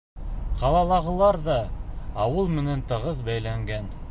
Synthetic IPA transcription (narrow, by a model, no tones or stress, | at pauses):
qʰɑlˠɑlˠɑʁɤ̆lˠɑɾðɑːwɤlˠmɘ̆nænt̪ɤ̆ʁɤðbæjlæŋɡæn